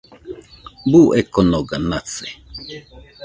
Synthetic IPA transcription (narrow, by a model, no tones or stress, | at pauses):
buʔɛkɔnɔɡanat͡sɛ